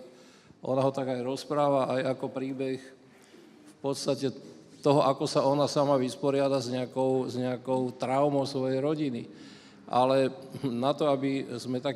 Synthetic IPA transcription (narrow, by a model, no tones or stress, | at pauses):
ʔɔ̰naɦɔt̪aɡajɾɔspɾaːʋaʔajakɔpɾiːbɛx | fpɔt̪st̪acɛt̪ɔɦɔʔakɔsaɔnasamaʋispɔɾɪad̪azɲɛakɔʊzɲɛakɔʊt̪ɾaʊmɔʊsʋɔjɛjɾɔɟini | ʔa̰lɛnat̪ɔabizmɛt̪ak